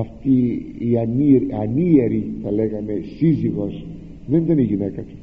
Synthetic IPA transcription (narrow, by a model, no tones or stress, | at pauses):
ɐft̪iːaniɾanieɾit̪ɐleɣɐmesiziɣos | ðend̪eniɣinekɐt̪i̥